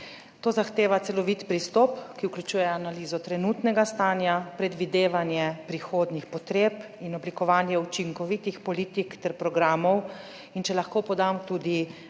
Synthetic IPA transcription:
t̪oːzaxt̪eːʋat̪sɛlɔʋit̪pɾist̪ɔpkiwkljut͡ʃuːjɛanaliːzɔt̪ɾɛnuːt̪nɛɡast̪aːnjapɾɛd̪ʋid̪eːʋanjɛpɾixoːd̪nixpɔt̪ɾeːp | inɔblikɔʋaːnjɛut͡ʃiŋkɔʋit̪ixpɔliːt̪ikt̪ɛɾpɾɔɡɾaːmɔw | int͡ʃɛlaxkoːpɔd̪amt̪uːd̪i

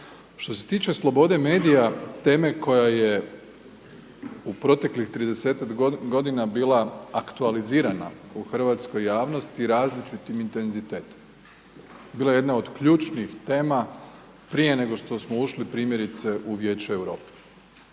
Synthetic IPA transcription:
ʃt̪o̞se̞̥t̪iːt͡ʃe̞slˠo̞bo̞d̪e̞me̞ːd̪ijat̪e̞ːme̞ko̞jaje̞ | upɾo̞t̪e̞klixt̪ɾid̪eseːt̪akɡo̞d̪inabiːlaakt̪ualiziːɾana̰uxr̩ʋat̪sko̞jːaːʋno̞st̪iɾaːzlit͡ʃit̪imint̪e̞nzit̪eːt̪o̥m | biːlˠaje̞d̪naod̪kʎuːt͡ʃnixt̪e̞ːma | pɾije̞ne̞ɡo̞ʃt̪o̞smouʃlipɾiːmje̞ɾit̪se̞ʔuʋje̞ːt͡ʃuewɾo̞̰ːpe̥

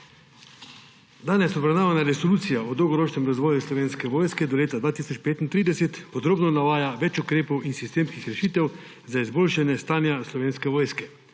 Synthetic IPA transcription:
d̪aːnɛsɔbɾawnaːʋanaɾɛsoluːt̪sijaɔd̪ɔwɡɔɾoːt͡ʃnɛmɾazʋɔːjuslɔʋeːnskɛʋoːjskɛd̪ɔleːt̪ad̪ʋaːt̪isɔt͡ʃpeːt̪int̪ɾiːd̪ɛset̪pɔd̪ɾoːbnɔnaʋaːjaʋɛt͡ʃukɾeːpɔwinsist̪eːmskixɾɛʃiːt̪ɛw | zaizboːlʃanjɛst̪aːnjaslɔʋeːnskɛʋɔːjskɛ

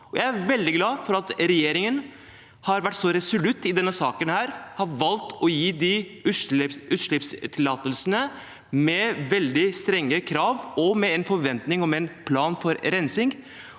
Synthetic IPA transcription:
ɔjæɪæɾʋɛld̪ɪɡlɑːfɔɾɑt̪ɾɛjeːɾɪŋən | hɑɾʋæʈːsɔɾɛsʊlʉt̪ːɪd̪ɛnːəsɑːkənhæːɾhɑɾʋɑlt̪ɔjiːd̪ɪʉʉːt̪ʂlɪpst̪ʰɪlɑːt̪əlsənə | mɛʋɛld̪ɪst̪ɾɛŋːəkʰɾɑːʋɔmɛɛnfɔɾʋɛnt̪nɪŋɔmɛnpʰlɑːnfɔɾɾɛnsɪŋɡ

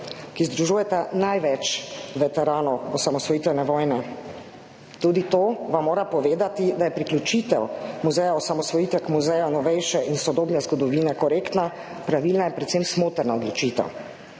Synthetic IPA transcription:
kizd̪ɾuʒuːjɛt̪anajʋɛt͡ʃʋɛt̪ɛɾaːnɔɔsamɔsʋɔjiːt̪ɛnɛʋɔːjnɛ | t̪ud̪it̪oːʋamːoːɾapɔʋeːd̪at̪id̪ajɛpɾiklʲut͡ʃit̪ɛwmuzɛjaɔsamɔsʋɔjiːt̪ʋɛkmuzɛjanɔʋɛjʃɛʔinsɔd̪oːbnɛzɡɔd̪ɔʋinɛkɔɾeːkt̪na | pɾaʋiːlnajɛpɾɛt̪semsmoːt̪ɾnaɔd̪lɔt͡ʃiːt̪ɛ̰w

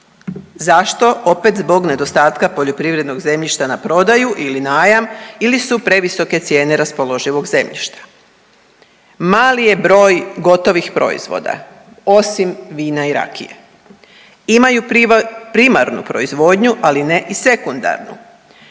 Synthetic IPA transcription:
zaʃt̪o̞ʔo̞pe̞t̪zbo̞ɡne̞d̪o̞st̪aːt̪kapoʎo̞pɾiʋɾe̞d̪no̞ɡze̞mʎiʃt̪anapɾo̞d̪ajuʔilinaːjamilisupɾe̞ʋiso̞ke̞t̪sje̞ːne̞ɾaspo̞lˠo̞ʒiʋo̞ɡze̞mʎḭʃt̪ḁ | maːlije̞bɾo̞ːjɡo̞t̪o̞ʋixpɾo̞̰ḭzʋo̞̰d̪a̰ | o̞simʋiːnaiɾa̰kʰḭjḛ | imajupɾima̰ɾnṵpɾo̞izʋo̞d̪ɲuʔaline̞ʔise̞kund̪a̰ɾnṵ

